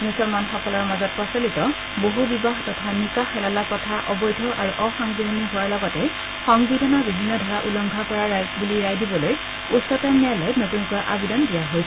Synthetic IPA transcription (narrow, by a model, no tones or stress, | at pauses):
nisɔmanxɔkɔlɔɹmazɔt̚pɹɔsolitɔ | boɦubibaɦtɔtʰanikaxɛlalakɔtʰaʔɔbɔjdʱɔʔaɹuʔɔxɔŋbidʱɔniɦʊwaɹlɔɡɔtɛ | xɔŋbidʱɔnɔɹbibʱinːɔdʱaɹaʔulɔŋɡʱakɔɹaɹajzbuliɹajdibɔloj | utsɔtamɛalɔjnotunkuaʔabidɔndijaɦojs